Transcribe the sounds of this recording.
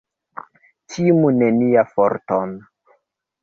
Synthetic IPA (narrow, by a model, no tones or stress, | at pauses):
timuneniafoɾton